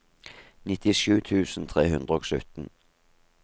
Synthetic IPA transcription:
nɪt̪ɪʃʉːt̪ʰʉːsn̩t̪ʰʁeːhʉnd̪ʁəoːɡsʉ̰t̪n̩

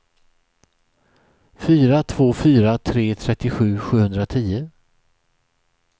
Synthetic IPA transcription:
fyːɾat̪ʰv̥oːfyːɾat̪ʰɾeːt̪ʰɾɛt̪ːɪɧʉ̟ːɧʉ̟ːhɵnd̪ɾat̪ʰiːə

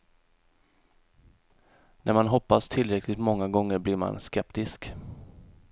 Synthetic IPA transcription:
nʔæɾmanɦɔpːast̪ʰɪlɾɛkʰlɪɡt̪mɔŋːaɡɔŋːəɾblɪɾma̰nskɛpt̪ɪsk

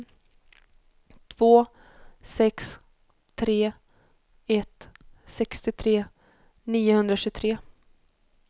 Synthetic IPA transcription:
t̪ʰv̥oː | sɛks | t̪ʰɾeː | ɛt̪sɛkst̪ɪt̪ʰɾeː | niːʊhɵnd̪ɾaɕɵt̪ʰɾeː

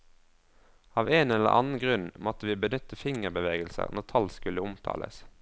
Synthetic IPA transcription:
ɑːʋeːnɛlə̰ʔɑ̰nn̩ɡʁʉnmɔt̪əʋiːbənʏt̪əfɪŋəʁbəʋeːɡəlsə̰ʁnɔʁt̪ʰɑlskʉləʊmt̪ʰɑ̰ːlə̰s

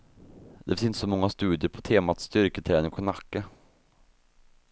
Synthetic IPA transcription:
d̪ɛfsɪnsɔmɔŋːast̪ʉ̟ːd̪ɪəɾpʰɔ̥t̪ʰeːmat̪st̪ʏɾkət̪ʰɾɛːnɪŋpʰɔnakːə

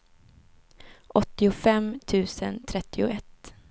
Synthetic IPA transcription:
ʔɔt̪ːɪʊfɛmt̪ʰʉ̟ːsənt̪ʰɾɛt̪ːɪʊɛt̪ː

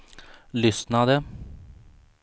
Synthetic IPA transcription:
lʏsnad̪ə

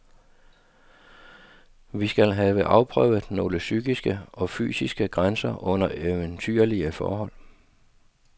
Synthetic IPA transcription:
ʋisɡ̥ælɦɛːʋəʔɑ̈ʊpʰʁœʊð̩ˠno̝ːləsyɡ̥isɡ̥əɒ̽fy̰ːsisɡ̥əɡ̥ʁansɐʔɔ̽n̰ɐʔeənt͡sʰy̰ɐliəfɒ̰ːɦɒ̽l̰

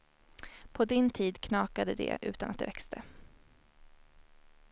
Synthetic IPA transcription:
pʰɔd̪ɪnt̪ʰiːd̪kʰnɑːkad̪əd̪ɛ̰ʔʉ̟ːt̪anʔat̪̚d̪ɛ̰vɛkst̪ʰə

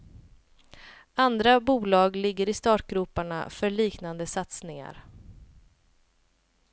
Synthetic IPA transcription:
and̪ɾabuːlɑːɡlɪɡːəɾɪst̪ɑːʈɡɾʉːpaɳa̰fœɭiːknand̪əsat̪snɪŋa̰ɾ

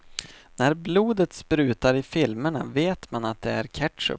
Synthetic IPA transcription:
næɾbluːd̪ət̪spɾʉ̟ːt̪aɾɪfɪlməɳa̰veːt̪manat̪̚d̪ɛæɾkʰæʈ̪ʂə̰

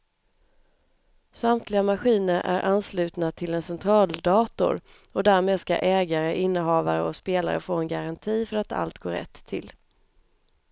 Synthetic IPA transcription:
samt̪ʰlɪɡamaɧiːnəɾʔæ̰ɾʔanːslʉ̟ːt̪nat̪ʰɪlɛnsɛnt̪ʰɾɑːld̪ɑːt̪ʊ̰ɾ | ɔd̪æɾmeːd̪ska̰ʔɛːɡaɾəʔɪnːəɦɑːva̰ɾəɔspeːla̰ɾə̰foːɛnɡaɾant̪ʰiːfœɾat̪a̰lt̪ɡoːɾɛ̰t̪ʰːɪ̰l

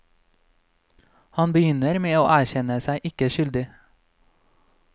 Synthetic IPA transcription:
hɑnbəjʏnəɾmeːo̰ːʔæːçɛnəsæɪʔɪkəʃʏld̪ɪ

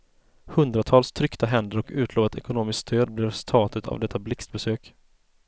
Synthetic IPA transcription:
hɵnd̪ɾat̪ʰɑːlst̪ʰɾʏkt̪aɦɛnd̪əɾɔkʉ̟ːt̪ʰloːvat̪ʰɛkʊnoːmɪskst̪ʰøːd̪̚blɪɾst̪ʰɑːt̪ət̪ʰa̰vd̪ɛt̪ʰːablɪkst̪̚bɛsøːk

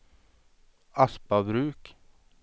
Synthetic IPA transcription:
aspabɾʉːk

